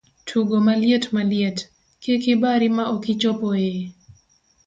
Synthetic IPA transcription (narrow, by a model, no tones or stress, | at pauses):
tʰuɡomaljetmaljet | kekɪbaɾimaokɪt͡ʃɔpɔje